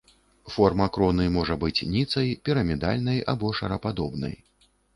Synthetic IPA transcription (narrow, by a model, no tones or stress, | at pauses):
fɔrmɐkɾɔnɨjmɔʐɐbɨt͡sʲnʲit̪sɐjpʲiɾɐmʲɛd̪a̰lʲnɐja̰bɔʂɐɾɐpad̪ɔbnɐ̰j